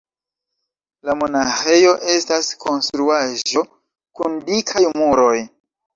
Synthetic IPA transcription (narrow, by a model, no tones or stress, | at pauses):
lamo̞naxe̞jo̞ʔe̞stasko̞nstɾuaʒo̞ | kundikʰajmuɾo̞j